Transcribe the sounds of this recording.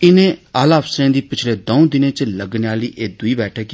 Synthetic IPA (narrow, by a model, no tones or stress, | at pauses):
ɪnẽːaːlaːfsɾẽːd̪iːpɪt͡ʃʰleːd̪oũd̪ɪnẽːt͡ʃləɡneaːliːʔeːd̪ʊiːbɛːʈʰeːk